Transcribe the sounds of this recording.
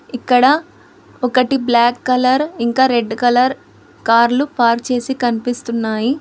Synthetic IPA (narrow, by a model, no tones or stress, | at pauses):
ikːɐɽɐ | ɔkɐʈiblaːkːɐlɐɾiŋkaːɾe̞ɖkɐlɐɾ | kaːɾlupaːɾt͡ʃe̞ːsikɐnipist̪unːaːji